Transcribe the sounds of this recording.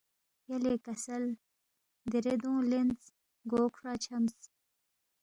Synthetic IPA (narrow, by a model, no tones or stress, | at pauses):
jɐleːkɐsɐl | d̪iɾed̪ũːlenz | ɡoːkʰɾaːt͡ɕʰɐmz